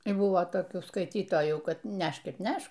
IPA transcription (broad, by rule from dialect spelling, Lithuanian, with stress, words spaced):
ɪr ˈbʊʋoː toːˈkʲuː skɐɪˈtʲiːtoːjuː ˈkɐt ˈnʲɛʃk ɪr ˈnʲɛʃk